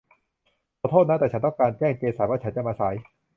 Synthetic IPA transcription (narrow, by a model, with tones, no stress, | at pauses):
kʰɔː˧˩t̪ʰoː˥˩na˦˥t̪ɛː˨˩t͡ɕa˦nt̪ɔ˥˩ŋkaː˧nt͡ɕɛː˥˩ŋt͡ɕeː˧saː˩˦waː˥˩t͡ɕa˦˥nt͡ɕa˨˩maː˧sa˩˦j